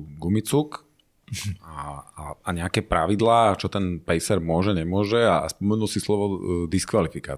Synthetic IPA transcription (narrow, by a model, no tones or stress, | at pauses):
ɡumit͡suk | aaaɲɛakɛːpɾaʋid̪laːt͡ʃɔt̪ɛnpɛjsɛɾmʊɔʒɛɲɛmʊɔʒɛaa̰spɔmɛnulsislɔʋɔd̪iskʋalifika̰ː